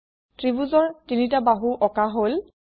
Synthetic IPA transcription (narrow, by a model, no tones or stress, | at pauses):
tɹibuzɔɹtinitabaɦuʔɔkaɦol